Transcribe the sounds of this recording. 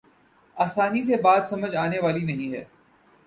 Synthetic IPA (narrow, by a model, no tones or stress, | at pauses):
aːsaːnis̬ebaːd̪sɐməd͡ʒaːneʋaːlinɐɦĩɦɛ̰ː